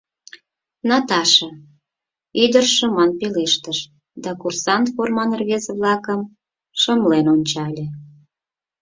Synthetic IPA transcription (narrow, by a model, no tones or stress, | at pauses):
nɑt̪ɑʃə̆ | id̪ərʃə̆mɑnpeleʃt̪əʃ | d̪ɑkursɑnt̪formɑnərβezeβlɑkəm | ʃə̆mlenonʲt͡ɕɑlʲĕ